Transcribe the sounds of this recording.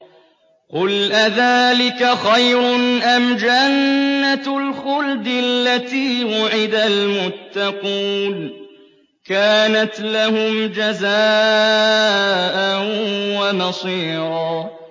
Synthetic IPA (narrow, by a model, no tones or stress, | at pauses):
qʊlʔaðaːlɪkaxajɾʊnʔamd͡ʒanːalxʊld̪ɪlːat̪iːwʊʕɪd̪almʊt̪ːɑquːn | kaːnat̪lahʊmd͡ʒazaː | ʔawanɑsˤiːɾɑː